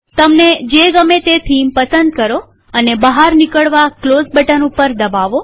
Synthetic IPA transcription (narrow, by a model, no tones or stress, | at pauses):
t̪əmned͡ʒeɡəmet̪et̪ʰimpəsənd̪̚kəɾo | ənebəɦaɾnikəɭʋaklozbəʈənupəɾd̪əbaʋo